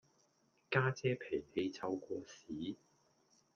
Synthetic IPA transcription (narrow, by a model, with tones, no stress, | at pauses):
kaː˥t͡sɛː˥pʰe˨˩ŋhe˨˧jt͡sʰɐ˧wkʷɔː˧siː˨˥